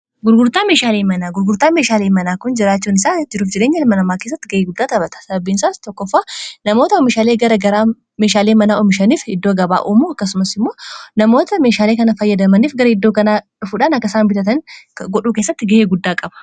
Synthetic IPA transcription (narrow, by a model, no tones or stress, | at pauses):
ɡʊɾɡʊɾt̪aːme̞ːʃaːleːmɐnaːɡʊɾɡʊɾt̪aːmeːʃaːleːmɐnaːkʊnd͡ʒɪɾaːt͡ʃːuːnɪsaːd͡ʒɪɾuːfd͡ʒɪɾeːɲːɐlmɐnɐmaːke̞ːs̬ːɐt̪ːɪɡɐeːɡʊd̪ːaːt̪ɐbɐt̪ɐ̥sɐbɐbiːnsaːst̪ɔkːɔfːaːnɐmo̞ːt̪ɐɔmɪʃaːle̞ːɡɐɾɐɡɐɾaː | meːʃaːleːmɐnaːɔmɪʃɐniːfɪ̰d̪ːoːɡɐba̰ːʔuːmuːɐkːɐsʊmɐsɪmːo̞ːnɐmo̞ːt̪ɐme̞ːʃaːleːkɐnɐfɐjːɐd̪ɐmɐniːfɡɐɾɐɪd̪ːoːkɐnaːᶑʊfuᶑaːnɐkːɐsaːnbɪt̪ɐt̪ɐnɡɔɗuːkeːsːɐt̪ːɪɡɐeːɡʊd̪ːaːkʼɐbɐ̥